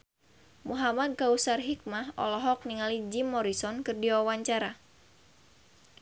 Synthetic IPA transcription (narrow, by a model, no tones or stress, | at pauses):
muɦamad̪̚kausarɦik̚mahɔ̰lɔɦɔk̚niŋalid͡ʒimːɔɾisɔnkɨrdiwawaɲt͡ʃaɾa